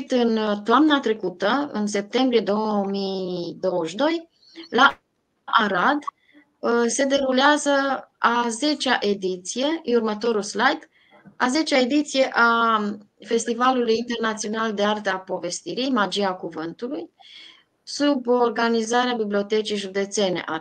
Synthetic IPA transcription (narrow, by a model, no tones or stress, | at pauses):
t̪ɨnt̪oamnat̪ɾe̞kut̪əɨ̰ns̬e̞p̚t̪e̞mbɾie̞d̪o̞wmijd̪o̞wəʃʲd̪o̞j | la | ʔaɾad̪ | se̞d̪e̞ɾuleazəaze̞t͡ʃaʔe̞d̪it̪sije̞urmət̪o̞ɾulslajt̪ | aze̞t͡ʃae̞d̪it̪sije̞ʔa | fe̞st̪ivalulujint̪e̞rnat̪sio̞nald̪e̞art̪əapo̞ve̞st̪iɾijmad͡ʒiakuvɨnt̪uluj | suborɡanizaɾeabiblio̞t̪e̞t͡ʃijʒud̪e̞t̪se̞nḛʔa